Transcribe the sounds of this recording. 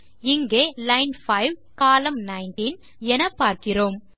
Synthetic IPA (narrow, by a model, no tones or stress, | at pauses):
ɪŋɡeːlɐɪnfɐɪʋkaːlɐmnɐɪnʈin | ɛnɐpːaːɾkɪroːm